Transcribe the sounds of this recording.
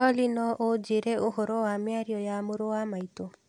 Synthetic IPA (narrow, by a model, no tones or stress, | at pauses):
ɔlinɔʔod͡ʒeɾɛoɦoɾowamjaɾiɔjamoɾowamaito